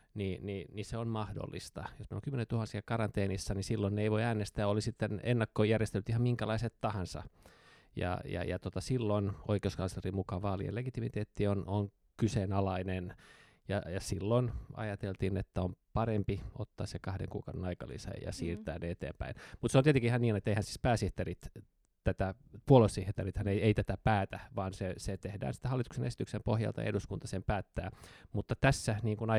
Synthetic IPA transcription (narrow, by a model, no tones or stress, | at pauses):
nininiseonmɑhdo̰lːḭst̪ɑjosmeiloŋkymːenet̪uhɑnsiɑkɑrɑnt̪eːnisːɑnisilːonːeeiʋoiæːnest̪æːolisit̪ːenḛnːɑkːojærjest̪elːyt̪ihɑmiŋkælɑiset̪t̪ɑhɑnsɑ̰ | jɑ̰jɑ̰jɑt̪ot̪ɑsilːono̰ikeuskɑnslerimukɑʋɑːlḭḛleɡit̪imit̪eːt̪ːionoŋ | kysenɑlɑinen | jɑjɑsilːonɑ̰jɑt̪elt̪inet̪ːæompɑrempio̰t̪ːɑ̰ːssekɑhdḛŋkṵːkɑ̰udenɑikɑ̰lḭsɑ̰jjɑ̰siːrt̪æ̰ːneet̪ḛːmpæ̰inmut̪seont̪iet̪ekiihɑniːnet̪ːeihænsiːspæːsiht̪erit̪ | t̪æt̪æpuolossiht̪erit̪hɑneieit̪æt̪æpæːt̪æʋɑːnseset̪ehdæ̰ːnsi̥t̪ːæhɑlːit̪u̥ksenesi̥t̪yksempohjɑ̰lt̪ɑ̰ḛduskunt̪ɑsempæːt̪ːæːmut̪ːɑt̪æsːæniːŋkunɑ